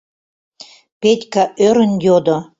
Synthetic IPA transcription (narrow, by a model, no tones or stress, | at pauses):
petʲkaʔøɾə̆njod̪o